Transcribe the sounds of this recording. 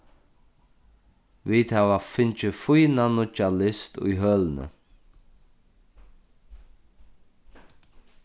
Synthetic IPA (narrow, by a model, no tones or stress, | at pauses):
viːt̪ʰavafɪnt͡ʃəfujnanʊt͡ʃalɪst̪ʊ̰jɦœːlnə̰